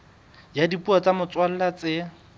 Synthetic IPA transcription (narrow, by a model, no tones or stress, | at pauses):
jadipuat͡samʊt͡swal̩lat͡sɪ